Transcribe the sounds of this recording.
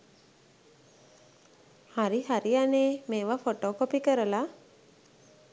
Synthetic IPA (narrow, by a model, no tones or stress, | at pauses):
haɾiɦaɾianeːmeːʋafoʈoːkopikəɾəla